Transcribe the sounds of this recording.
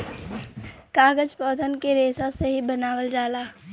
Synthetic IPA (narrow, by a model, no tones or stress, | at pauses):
kaːɡəd͡ʒpɔːt̪ʰənkeɾeːsaseɦibənaːwəld͡ʒaːlaː